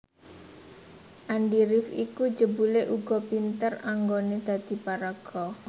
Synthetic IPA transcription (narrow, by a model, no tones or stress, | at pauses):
ʔanɖiɾɪfiku̥d͡ʒəbuleʔuɡ̥ɔ̤pint̪əraŋɡoned̪̥ä̤d̪̥i̤paɾaɡ̥ɔ